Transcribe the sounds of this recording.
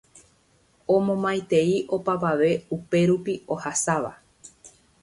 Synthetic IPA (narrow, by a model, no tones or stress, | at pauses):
õmõ̞mãjt̪e̞iʔo̞paʋaʋe̞upe̞ɾupiohasaʋa̰